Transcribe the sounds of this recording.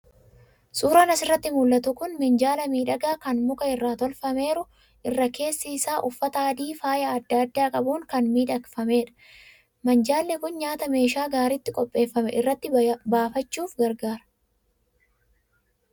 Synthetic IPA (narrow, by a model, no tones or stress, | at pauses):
suːɾɐnɐsɪrːɐt̪ːɪmʊulːɐt̪ʊkʊnmɪnd͡ʒaːlɐmiːᶑɐɡaːkɐnmʊkɐɪrːaːt̪ɔlfɐme̞ːɾʊ | ʔɪrːɐke̞ːsːiɪsaːʔʊfːɐt̪ɐːd̪iːfaːjaɐd̪ːaːd̪ːaːkʼɐbuːŋkɐnmiːᶑɐkfɐme̞ːᶑɐ̥ | mɐnd͡ʒaːlːɛkʊnɲaːt̪ɐme̞ːʃaːɡaːɾɪt̪ːɪkʼɔpʼːe̞ːfːɐmɛʔɪrːɐt̪ːɪbaːfɐt͡ʃːuːfɡɐɾɡaːɾɐ̥